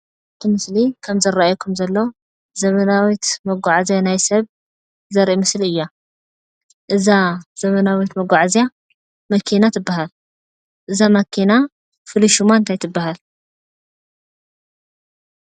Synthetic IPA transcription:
ɨt̪ʰɨmɨslikʰɐmzɐɾːaajkʰumzɐlːo̞ | zɐmɐnawit̪mɐɡʷaʕazjanajsɐβ | zɐɾʔimɨsliɨjːa | ʔɨzaz̥ɐmɐnawit̪mɐɡʷaʕzja | mɐkʰinat̪ʰɨbːaɦal | ʔɨzamɐkʰina | fɨliʃumaɨnt̪ʰajt̪ʰɨbːahal

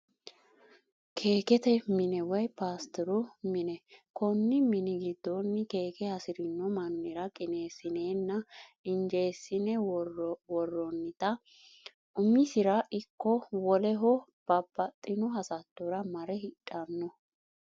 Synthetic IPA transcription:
kʰe̞ːkɛt̪ɛmɪnɛwɔjpaːst̪ɔɾʊmɪnɛkɔnːɪmɪnɪɡɪd̪ːɔnːɪke̞ːkɛhɐsɪɾɪnːɔmɐnːɪɾɐkʼɪne̞ːsɪneːnːɐɪnd͡ʒe̞ːsːɪnɛwrwɔrːɔnːɪt̪ɐ | ʊmɪsɪɾɐʔɪkːɔwɔlɛɦɔb̥ɐbːɐt̪ʼːɪnɔɦɐsɐt̪ːɔɾɐmɐɾɛhɪᶑʼɐnːɔ

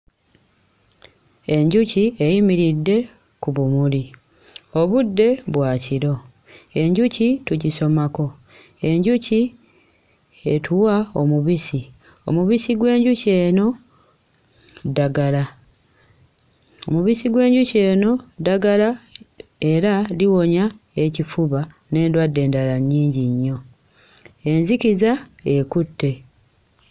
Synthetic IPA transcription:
e̞ɲɟuciejimiɾidːe̞ | kuβumuli | o̞βudːe̞βwaːciɾo̞ | e̞ɲɟucituɟiso̞mako̞ | e̞ɲɟuci | etʰuwao̞̰muβisi | o̞̰muβisiɡwe̞ːɲɟuce̞ːno̞ | daɡala | o̞muβisiɡwe̞ːɲɟuce̞ːno̞daɡala | e̞ɾaliwo̞ɲa | e̞cifuβa | ne̞ːndwadːe̞ːndalaɲːiːɲɟiɲːo̞ | e̞nzicizae̞kutːe̞

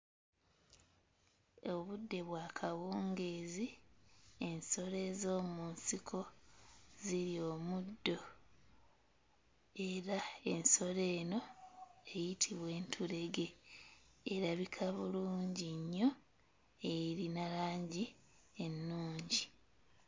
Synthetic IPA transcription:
oβudːe̞βwaːkʰawoːŋɡezi | e̞nso̞ɾe̞zo̞ːmunsikʰo̞ | ziɾio̞ːmudːo̞ | eɾae̞nso̞ɾe̞ːno̞e̞jitʰiβwe̞ːntʰuɾe̞ɡe̞ː | ɾaβikʰaβuluːɲɟiɲːo̞ | eɾinalaːɲɟi | e̞nːuːɲɟi

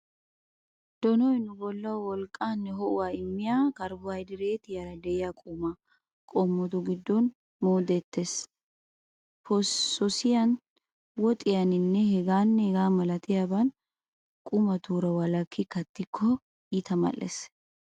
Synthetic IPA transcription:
d̪̥ɔnɔjnʊbɔlːɐwwɔlkʼːaːnːɛɦɔʔʊwaːɪmːɪjakɐɾbʊhɐjd̪ɪɾe̞ːt̪ɪjɐɾɐd̪ɛʔɪjakʼʊmɐ | kʼɔmːɔd̪ʊɡɪd̪ːɔn | moːd̪ɛt̪ːes | pʰɔsɔsɪjɐn | wɔt̪ʼɪjɐnɪnːɛhɛɡaːnːɛhɛɡaːmɐlɐt̪ɪjaːbɐn | kʼʊmɐt̪uːɾɐwɐlɐkʰːɪkɐt̪ːɪkʰːɔ | ɪt̪ɐmɐ̰lʔːḛs

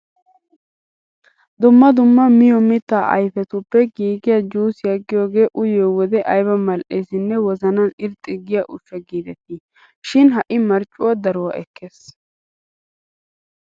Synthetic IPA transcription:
d̪ʊmːɐd̪ʊmːɐmɪjɔmɪt̪ːaːʔɐ̰jfɛt̪ʊpːɛɡiːɡɪjad͡ʒuːsɪjɐɡːɪjoːɡe̞ːʔʊjoːwɔd̪ɛʔɐjbɐmɐlʔeːsɪnːɛwɔzɐnɐnɪɾt̪ʼːɪɡɪjaʔʊʃːɐɡiːd̪ɛt̪i | ʃɪnɦɐʔɪmɐɾt͡ʃʼːʊwɐd̪ɐɾʊwɐ̰ʔɛkʰːeːs

